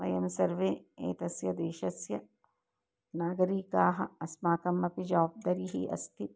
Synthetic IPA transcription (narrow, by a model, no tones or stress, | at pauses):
ʋɐ̰jɐmsɐɾʋeːḛːt̪ɐsjɐd̪eːʃɐsjɐ | naːɡɐɾiːkaːɦɐɐsmaːkɐmːɐpid͡ʒɔːb̚d̪ɐɾiɦiʔɐ̰st̪i